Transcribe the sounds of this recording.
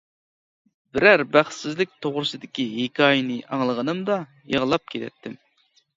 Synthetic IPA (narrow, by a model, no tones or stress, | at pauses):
bɪɾæɾbæχsɪzlɪk̚ʲt̪ʰoʁɾɨsɨd̪ɪkʲiɦekʲʰɑːjɪnɨʔɑŋlˠəʁənɨmd̪ɑ | jeʁəlˠɑp̚kʲʰet̪ɛ̰t̪ʰːɪm